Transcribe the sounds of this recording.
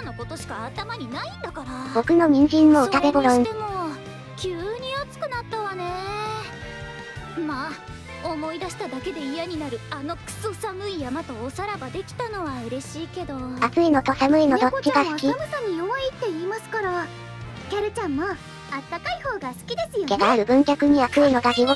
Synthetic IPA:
anoko̞t̪o̞ɕi̥kaːt̪amaɲ̟inaĩnd̪akaɾab̥o̞kɯ̟no̞ɲ̟ʲĩɲ̟d͡ʑĩmːoɯt̪aɡeboɾõemo | kʲʰɯːɲ̟iot͡sɨ̥kɯ̟nat̪ːaβane̞ | ma | omo̞id̪aɕi̥t̪ad̪ake̞d̪e̞ijaɲ̟inaɾɯ̟ano̞kɯ̟̥sosamɯ̟ijamat̪o̞ːsaɾabad̪e̞kʲi̥t̪ano̞βaɯ̟ɾe̞ɕiːke̞d̪o̞at͡sɨino̞t̪osamɯ̟ino̞d̪ot͡ɕːiɡasɨkʲimosaɲ̟iomoit̪ːe̞iːmasɨ̥kaɾa | kʲaɾɯ̟t͡ɕãmːa | at̪ːakaiho̞ːɡasɨ̥kʲid̪e̞sɨjokʲenaːɾɯ̟bɯ̟̃ŋkʲakɯ̟ɲ̟iakɨino̞t̪aɡʲio

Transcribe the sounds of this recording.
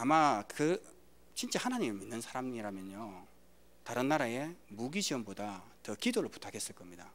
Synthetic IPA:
amakɯ | t͡ɕint͡ɕ͈ehanaɲimeminːɯnsʰaɾamiɾamjʌɲo | taɾɯnːaɾae̞muɡiɕiʌmbodatʌkidoɾɯɭpu̥tʰakʰe̞s͈ɯɭk͈ʌmɲida

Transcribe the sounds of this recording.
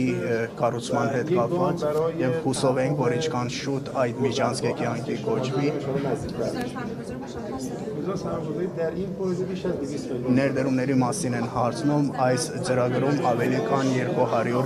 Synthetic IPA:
ikɑrut͡sʰmɑnɦɛt̪kɑpvɑt͡sɾjɛvhusɔvɛŋkʰvɔɾint͡ʃʰkʰɑnʃut̪ɑjd̪mid͡ʒɑnt͡sʰkɛkjɑŋkʰikɔvi | izɔsæɔzɛd̪æɾinpʰɔzibiʃæzd̪isnɛɾd̪əɾumnɛɾimɑsinɛnhɑɾt͡sʰnumɑjs | t͡səɾɑɡɾumɑvɛlikʰɑnjɛɾkuɦɑɾjuɾ

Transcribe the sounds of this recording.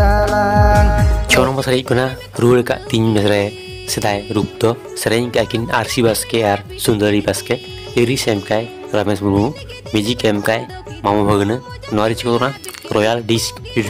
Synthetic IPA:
t͡ʃʰɔnɔmɐsɾec̚kuna | ɾuɭka̰ʔt̪iɲmesɾe | sid̪ajɾup̚t̪ɔ | seɾeɲkeakinaɾsibaskeaɾ | sund̪əɾibaske | eɾisemkaj | ɾamesmumu | med͡ʒikemkaj | mamubʱəɡnɨ | nɔaɾit͡ʃkɔt̪na | ɾɔjalɖisk | i

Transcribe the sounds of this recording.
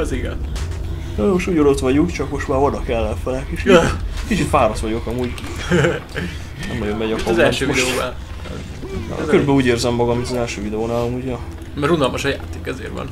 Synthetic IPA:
ɛziɡɛ̰n | omoʃt̪uːɟono̞t̪ʋɒɟukt͡ʃɒkmo̞ʃt̪maːɾvɒnːɒkɛlːɛfɛlɛkiʃikit͡ʃit̪faːɾɒt̪ʋɒɟokɒmuːɟ | nɛ̰mnɒɟommɛɟɒkomzɛllʃøːid̪ɛoːba̰ | øɾybɛluːɟeːrzɛmːɒɡɒmit̪ɒzɛlʃøːvid̪ɛoːnaːlomuɟɒ | mɛɾunɒlmɒʃɒja̰ːt̪eːkɛzḛːɾvɒ̰n

